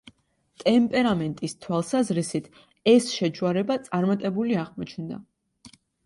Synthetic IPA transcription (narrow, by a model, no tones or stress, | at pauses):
t̪ʼɛmpʼɛɾamɛnt̪ʼist̪ʰwalˠsazɾisit̪ʰ | ɛsʃɛt͡ʃʰuaɾɛbat̪sʼaɾmat̪ʼɛbuliaʁmɔt͡ʃʰnd̪a̰